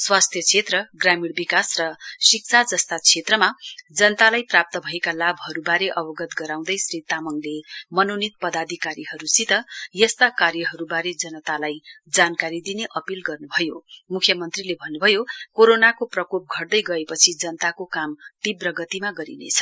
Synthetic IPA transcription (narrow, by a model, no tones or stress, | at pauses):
swast̪ʰjʌt͡sʰet̪rʌɡramiɽbikasrʌsik̚t͡sʰad͡zʌst̪at͡sʰet̪rʌmad͡zʌnʌt̪alajprap̚t̪ʌbʱʌekalabɦʌɾubaɾeʔʌbʌɡʌt̪ɡʌɾaw̃d̪ʌjsrit̪amʌŋlemʌnonit̪̚pʌd̪ad̪ʱikaɾiɦʌɾusit̪ʌjʌst̪akarjʌɦʌɾubaɾed͡zʌnʌt̪alajd͡zankaɾid̪ineʔʌpilɡʌrnubʱʌjomukʰjʌmʌnt̪rilebʱʌnːubʱʌjokoɾonakoprʌkop̚ɡʱʌrd̪ʌjɡʌepʌt͡sʰid͡zʌnʌt̪akokamt̪ibrʌɡʌt̪imaɡʌɾḭnḛt͡sʰʌ̥